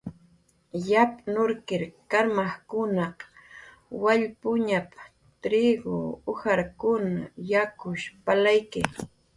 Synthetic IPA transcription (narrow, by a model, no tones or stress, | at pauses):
japnʊɾkɪɾkaɾmaχkʊnɑq | waʎpʊɲap | t̪ɾɪɡo̰ʊhaɾkʊna̰jakʊʃpalajkɪ